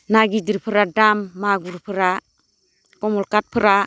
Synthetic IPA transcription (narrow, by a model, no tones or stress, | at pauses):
naɡidiɾpʰɯɾadamːaɡuɾpʰɯɾa | komɔlkat̚pʰɯɾa